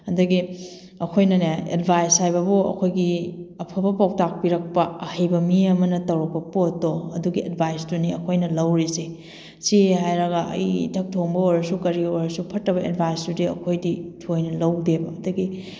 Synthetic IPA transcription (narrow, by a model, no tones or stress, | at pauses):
ɐdɐɡi | ɐkʰojnɐneḛdbʱajshajbɐbuɐ̰kʰojɡiɐpʰɐbɐpaw̚tak̚piɾɐk̚pɐɐhɐjbɐmiɐmɐnɐtɐwɾɐk̚pɐpotːoɐduɡied̚bʱajstuniɐkʰojnɐlɐwɾise | siɦajɾɐɡɐʔɐ̰jḭtʰɐk̚tʰoŋbɐoɾɐsukɐɾioɾɐsupʰɐtːɾɐβɐḛdbʱajstudiɐ̰kʰojditʰojnɐlɐwdebɐːdɐɡi